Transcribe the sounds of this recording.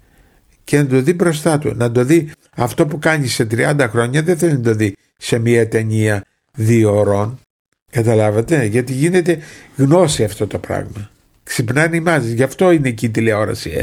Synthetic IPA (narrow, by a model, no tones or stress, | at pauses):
ce̞nɐd̪o̞ðibɾo̞s̬t̪ɐt̪ṵnɐd̪o̞ði | ɐft̪o̞pukɐɲisːe̞t̪ɾiɐnd̪ɐxɾo̞ɲɐðeθelinɐd̪o̞ði | se̞miɐt̪e̞ɲiɐ | ðio̞ɾo̞n | kɐt̪ɐlɐvɐt̪e̞ʝɐt̪iʝine̞t̪e̞ɣno̞siɐft̪o̞t̪o̞pɾɐ̰ɣmɐ | ksipnɐnimɐsʝɐft̪o̞ine̞ciːt̪ileo̞ɾɐ̰sḭ